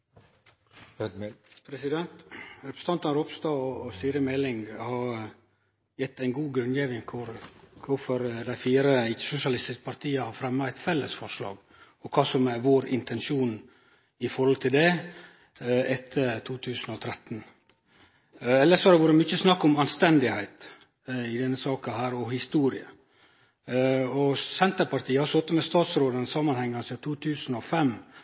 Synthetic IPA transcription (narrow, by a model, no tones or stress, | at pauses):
pʰɾɛsɪd̪ɛnt̪ɾɛpʰɾəsət̪ʰɑnt̪ɑnɾʊpst̪ɑːɔsiːɾəmɛlɪŋhɑɾ | jɛt̪ːæɪnɡuːɡɾʉnjeːʋɪŋkʰʊɾkʰʊfɔɾd̪æɪfiːɾəɪkːə̥sʊsɪɑlɪst̪ɪskə̥pʰɑɾt̪ʰiːəhɑɾfɾɛmːɑæɪt̪fɛlːəsfɔɾʂlɑ̰ːɡ | ɔkʰɑːsɔmæɾʋoːɾɪ̰nt̪ʰɛnʃuːn | ɪfɔɾhɔlt̪ʰɪld̪ɛ | ɛt̪ʰːət̪ʰuːt̪ʰʉːsənɔt̪ʰɾɛt̪ːn | ɛlːəʂsɔæɾɖ̪ɛʋʊɾɛmʏçəsnɑkːɔmɑnst̪ɛnd̪ɪhæɪt̪ | ɪd̪ɛnːəsɑːkɑɦæːɾɔhɪst̪uːɾɪə | ɔsɛnt̪əɾpɑɾt̪ʰiːəhɑsɔt̪ːəmɛst̪ɑːt̪sɾoːd̪ənəsɑmɑnhɛŋːɑsɪt̪ʰuːt̪ʰʉːsənɔfɛm